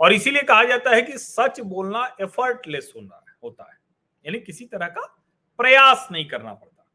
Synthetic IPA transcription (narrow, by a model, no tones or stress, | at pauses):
ɔːɾɪsiliekɐɦad͡ʒaːt̪aɦɛkisɐt͡ʃboːlnaʔefʰəɾʈlesʊna̰ | ɦoːt̪a̰ɦɛː | jaːnikɪsit̪ɐɾəɦka | pɾɐjaːsnɐɦĩkɐɾna̰pɐɽt̪aɦɛ